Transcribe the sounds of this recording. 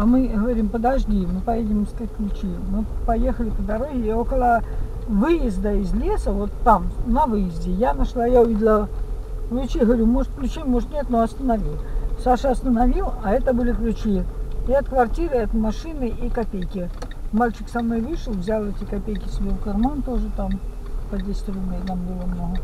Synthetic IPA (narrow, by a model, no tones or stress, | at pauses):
ɐmɨɣəvɐɾʲimpəd̪ɐʐdʲimɨpɐjedʲɪmskat̚ʲklʲʉt͡ɕimɨpɐjexəlʲɪpəd̪ɐɾovʲɪo̞kəlˠə | vɨjɪzʲd̪əɪzʲlʲesəvo̞t̪ːamnɐvɨjɪzʲdʲɪjanɐʂlˠajaʊvʲidʲɪlˠə | klʲʊt͡ɕiɦəvɐɾʲumo̞ʐɨt̪̚klʲʉt͡ɕimoʐɨt̪nʲet̪noɐst̪ənɐvʲilˠsaʂɨɐst̪ənɐvʲilˠɐɛt̪əbɨlʲɪklʲʉt͡ɕiɐt̪kvɐrtʲiɾɨɛt̪mɐʂɨnɨikɐpʲejkʲɪ | malʲt͡ɕɪksɐmno̞jvɨʂəlˠvzʲalˠɛtʲɪkɐpʲejkʲɪ̥sʲelˠkɐrmant̪o̞ʐɨt̪am | pəd̪ʲɪsʲt̪ɾʲunət̪ambɨlˠəmnoɦə